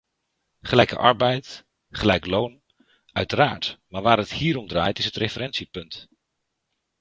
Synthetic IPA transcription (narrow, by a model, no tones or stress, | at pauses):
χəlɛjkə̰ʔɑ̰ɹbɛjt | χəlɛjklown | œ̰ɥtəɾaːɹtmaːɹʋaːɾɦəthiːɾɔmdraːjtɪsɦətrefəɾɛnsipɵnt